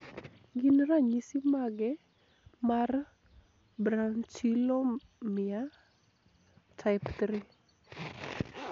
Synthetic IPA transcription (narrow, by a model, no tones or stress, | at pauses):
ɡinɾaɲisimaɡɛ | mar | bɾant͡ʃilo | mɪa | tʰaɪpt̪ɾi